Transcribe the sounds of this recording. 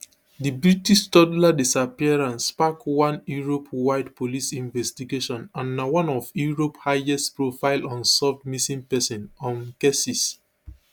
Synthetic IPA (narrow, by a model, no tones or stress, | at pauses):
dibɹitiʃtɔdladisapiaɹãnspakwãnjuɹopwaɪdpolisĩnvɛstiɡeʃɔ̃nãnːawãnɔfjuɹophaɛstpɹofaɪlɔ̃nsɔfdmisĩŋpɛsɔ̃nɔ̃nkesis